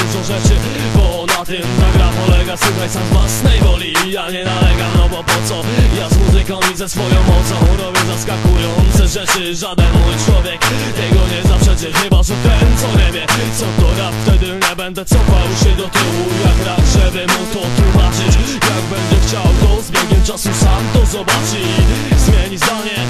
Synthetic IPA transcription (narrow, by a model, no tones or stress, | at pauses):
nsɔ̃w̃ʐɛt͡ʂɘ | bɔnat̪ɪmt̪aɡɾapɔlɛɡasuxɛjsamzvwasnɛjvɔlʲijaɲɛnalɛɡanɔbɔpɔt̪sɔjazmuzɨkamʲizɛsfɔjɔ̃w̃mɔt̪sɔ̃w̃ɾɔbʲjɛzaskakujɔnt̪sɛʐɛt͡ʂɘʐad̪ɛnmujt͡ʂwɔvʲjɛkt̪ɛɡɔɲɛzapʂɛd͡ʑɛɲɛjbaʐɛt̪ɛt̪sɔɲɛvʲjɛt̪sɔt̪ɔjaft̪ɛd̪ɪɲɛbɛnd̪ɛt̪sɔfawɕɛd̪ɔt̪ɪwujakɾaʐɛbɘmut̪ɔt̪wumat͡ʂɘt͡ɕjaɡ̚bɛnd̪ɛxt͡ɕawd̪ɔzbʲjɛɡɲɛmt͡ʂasusamt̪ɔzɔbat͡ʂɨzmʲjɛɲzd̪aɲɛ